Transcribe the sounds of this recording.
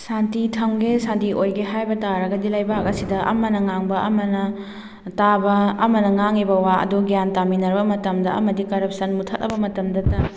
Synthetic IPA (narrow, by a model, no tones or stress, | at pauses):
santitʰɐŋɡesandiʔojɡeɦajbɐtaɾɐɡɐdilɐjbakɐsidɐʔɐ̰mɐnɐŋaŋbɐʔɐmɐnɐ | tabɐːmɐnɐŋaŋibɐwaɐ̰duɡjantaminɐɾbɐmɐtɐmdɐɐ̰mɐdikɐɾɐp̚sɐnmutʰɐtɐbɐmɐtɐmdɐtɐ